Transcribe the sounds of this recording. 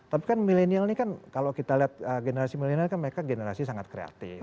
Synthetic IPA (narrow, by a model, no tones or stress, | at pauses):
t̪ap̬ikanmilenialnikankalokit̪aliɦat̪̚əɡeneɾasimilenialkanməɾekaɡeneɾa̰sisaŋat̪̚kɾea̰t̪ɪ̰